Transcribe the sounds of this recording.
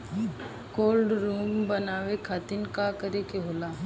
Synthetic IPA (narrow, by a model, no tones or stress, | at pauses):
koːlɖɾuːmbənaːʋekʰaːt̪ɪnkakəɾekeɦoːla